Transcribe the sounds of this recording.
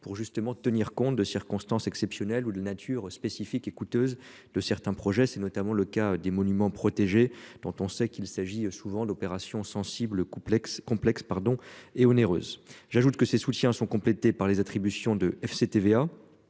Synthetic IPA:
puʁʒyst̪əmɑ̃t̪əniʁkɔ̃t̪d̪əsiʁkɔ̃st̪ɑ̃sɛksɛpsjɔnɛlud̪əlanat̪ʰyːʁspesifikekut̪øːz | d̪̥əsɛʁt̪ɛ̃pχɔʒɛsɛnɔt̪amɑ̃ləkad̪emɔnymɑ̃pχɔt̪eʒed̪̥ɔ̃t̪ɔ̃sɛkilsaʒiøsuvɑ̃d̪ɔpeʁasjɔ̃sɑ̃sibləkkɔ̃plɛkspaʁd̪ɔ̃eɔneʁø̰ːzʒaʒut̪kəsesut̪jɛ̃sɔ̃kɔ̃plet̪epaʁlezat̪χibysjɔ̃d̪əɛfset̪evea

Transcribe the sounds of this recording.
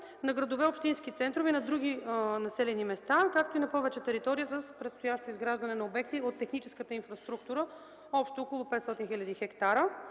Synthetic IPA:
nɐɡɾɐd̪ovɛopʃt̪inskit̪sɛnt̪ɾovɛinɐd̪ɾuɡ̟inɐsɛlɛnimɛst̪akak̚t̪oinɐpɔvɛt͡ʃɛt̪ɛɾit̪ɔɾijəsəspɾɛt̪st̪ojaʃt̪oizɡɾaʒd̪ɐnɛnɐobɛkt̪iot̪ːɛxnit͡ʃɛ̥skət̪əinfɾɐst̪ɾuk̚t̪uɾə | ɔpʃt̪oːkolˠopɛt̪sɔt̪inxilʲɐd̪ixɛkt̪aɾə

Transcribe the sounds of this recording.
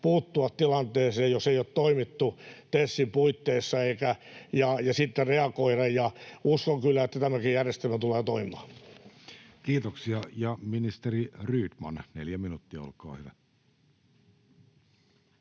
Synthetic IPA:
puːt̪ːuɑtt̪ilɑnt̪eːseːjjoseijot̪t̪oimit̪ːut̪esːimpuit̪ːeisːɑeikæjɑjɑsit̪ːereɑkoirɑjjɑuskoŋkylːæet̪ːæt̪æmækijjærjest̪elmæt̪uleːt̪oimiɑː | kiːt̪oksiɑjɑminist̪eriryːt̪mɑ̰nnḛljæminut̪ːiɑ̰o̰lkɑ̰ːhyʋæ

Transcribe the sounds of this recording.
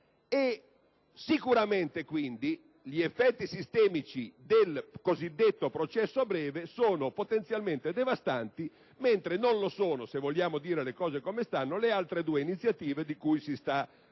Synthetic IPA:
e | sikuɾament̪ekwind̪i | ʎiefːɛt̪ːisist̪ɛːmit͡ʃid̪elkozid̪ːet̪ːopɾot͡ʃɛsːoabɾɛːvesoːnopot̪ent̪sjalment̪ed̪evast̪ant̪i | ment̪ɾenonlosoːnosevːoʎːaːmod̪iːɾelekɔːzekomest̪anːolealt̪ɾed̪uːeinit̪sːjat̪iːved̪ikujsist̪a

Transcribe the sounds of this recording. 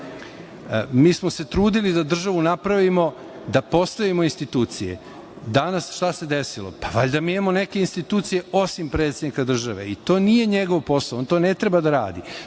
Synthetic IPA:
miːsmo̞se̞t̪ɾuːd̪ilid̪ad̪r̩ʒaʋunapɾaʋimo̞ | d̪apo̞st̪aʋimo̞inst̪it̪uːt̪sije̞̰ | d̪anasʃt̪ase̞d̪esilo̞̰paʋaʎd̪amiimamo̞nekeinst̪it̪uːt̪sije̞o̞simpɾe̞t̪sed̪nikad̪r̩ʒaʋe̞̰it̪o̞ːnije̞ɲeɡo̞ʋpo̞slaoont̪o̞ne̞t̪ɾebad̪aɾa̰ːd̪i

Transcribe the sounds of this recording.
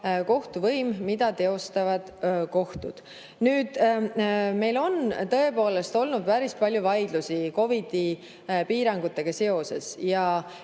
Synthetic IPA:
ko̞ht̪uvɤjmmid̪̥ɑt̪e̞o̞st̪ɑvɑd̪̥ko̞ht̪ud̪̥ | nyːd̪̥ | me̞jlo̞nt̪ɤe̞po̞ːle̞st̪o̞lnud̪̚pæɾispɑlʲjuvɑjd̪̥lusiko̞vid̪̥i | piːɾɑŋɡ̥ut̪ːˑe̞ɡ̥ɑse̞o̞se̞sjɑ

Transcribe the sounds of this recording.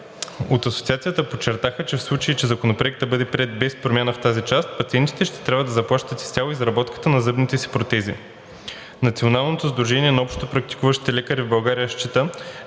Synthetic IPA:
ot̪ɐso̥t̪siat̪siət̪əpot͡ʃːɛɾt̪axət͡ʃɛfslˠut͡ʃəit͡ʃɛzɐkonopɾoɛk̚t̪d̪ɐbɤd̪ɛpɾʲɛd̪̚bɛspɾomʲanəft̪azit͡ʃast̪pɐt̪siɛnt̪i̥t̪ɛʃt̪ɛ̥t̪ɾʲabvəd̪ɐzɐplˠaʃt̪ət̪i̥st̪ʲalˠoizɾɐbɔt̪kə̥t̪ənɐzɤbnit̪ɛsi̥pɾot̪ɛzḭ | nɐt̪sionalˠnot̪ozd̪ɾuʒɛniɛnɐɔpʃt̪t̪opɾɐk̚t̪i̥kuvəʃt̪i̥t̪ɛlɛkəɾivbɐlˠɡaɾijəʃt͡ʃit̪ə

